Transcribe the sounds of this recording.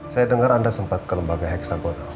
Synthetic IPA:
sajadəŋaɾandasəmpat̪̚kələmbaɡaɦɛksabona

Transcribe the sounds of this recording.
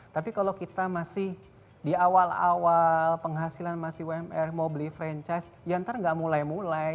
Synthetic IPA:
t̪apikalokit̪amasɪh | diawala̰walpəŋɦasilanmasɪhwɛmɛrmobilifɾɛɲt͡ʃajs | jant̪ərŋɡaʔmulajmulaj

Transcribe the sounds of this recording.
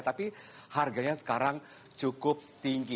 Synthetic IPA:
t̪api | harɡaɲasə̥kaɾaŋ | t͡ʃukʊp̚t̪iŋɡi

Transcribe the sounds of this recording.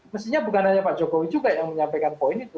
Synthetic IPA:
məst̪iɲabukanaɲapaʔd͡ʒokowid͡ʒuɡajaŋməɲampekanpoɪnit̪u

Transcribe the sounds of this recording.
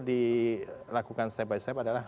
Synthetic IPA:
di | lakukanst̪ɛp̚bajst̪ɛpadala

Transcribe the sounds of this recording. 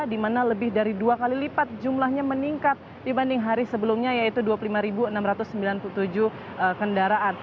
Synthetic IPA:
dimanaləbɪhdaɾiduakalilipat̪̚d͡ʒumlahɲaməniŋkat̪̚ | dibandɪŋɦaɾisəbəlʊmɲajait̪uduapulimaɾibuənamɾat̪ʊsːəmbilanpuut̪ud͡ʒu | əkəndaɾaʔan

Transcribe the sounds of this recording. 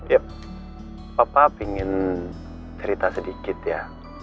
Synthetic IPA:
ja | papapiŋɪn | t͡ʃəɾit̪asədikɪt̪ja

